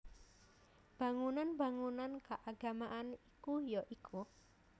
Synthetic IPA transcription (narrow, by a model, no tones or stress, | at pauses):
b̥a̤ŋunanba̤ŋunankaʔaɡ̥a̤maʔanikujoʔikʰu